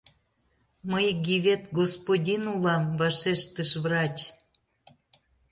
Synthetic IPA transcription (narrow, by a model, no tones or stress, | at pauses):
məjɡʲiβʲet̪ɡospodʲinulɑmvɑʃeʃt̪əʃβrɑt͡ɕ